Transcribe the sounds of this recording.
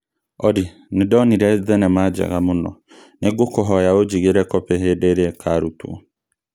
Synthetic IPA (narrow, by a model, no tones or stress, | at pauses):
ɔdi | nidɔniɾɛðɛnɛmad͡ʒɛ̰ɣamonɔ̰ | neɡokoɦɔjaod͡ʒiɣeɾɛkɔpɛɦedeɾeɛkʰaɾutṵɔ̰